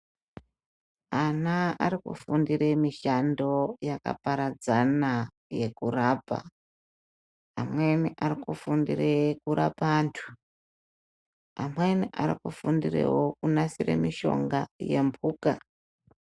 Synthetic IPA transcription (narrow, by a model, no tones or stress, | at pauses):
anaːɾikṵfundiremiʃando̞jaka̰paɾad͡zana | je̞kuraːpa̰ | amwe̞niʔarikufundirekuɾapantʰu̥ | amwe̞niʔaɾikufundirḛwokunasirḛmiʃo̞̰ŋɡaje̞mbʱuːka